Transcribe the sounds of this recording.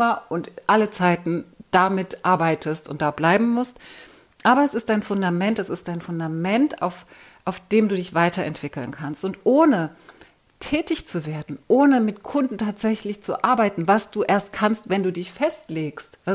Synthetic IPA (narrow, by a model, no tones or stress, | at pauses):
mɐʔʊntʔalət͡saɪtn̩d̥amɪtʔaɐbaɪtʰəstʊnt̚d̥aːblaɪbm̩mʊst | ʔaːbɐɛsɪstd̥aɪnfʊndamɛntɛsɪstd̥aɪnfʊndamɛnta̰ʊf | ʔaʊfd̥eːmduːdɪçv̥aɪtɐɛ̰ntv̥ɪkl̩nkʰanstʊntʔoːnə | tʰɛːtɪçt͡suveːɐdn̩ʔoːnəmɪtkʰʊndn̩tʰaːtz̥ɛçlɪçt͡sṵʔaɐbaɪtn̩vasd̥uːʔeːɐst̚kʰanstv̥ɛnduːdɪçfɛstleːkstva